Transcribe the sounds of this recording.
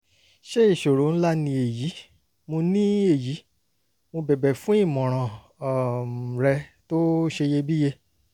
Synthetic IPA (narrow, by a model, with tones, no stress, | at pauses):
ʃe˦i˦˨ʃo˨ɾo˨˦n̩˦la˦nĩ˧e˨ji˨˦ | mo˧nĩ˦e˦˨ji˨˦ | mo˧bɛ˨bɛ˨fũ˦i˦˨mɔ̃˨ɾ̃ã˨ | ɾɛ˧to˦ʃe˧je˧bi˦je˧